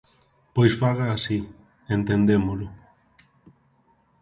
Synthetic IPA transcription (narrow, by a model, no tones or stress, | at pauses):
pojsfaɣaːsi | ent̪end̪emolʊ